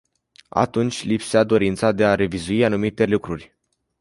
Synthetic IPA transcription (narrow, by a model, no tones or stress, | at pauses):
a̰t̪unt͡ʃʲlipsead̪o̞ɾint̪sad̪e̞aɾe̞vizuianumit̪e̞lukɾurʲ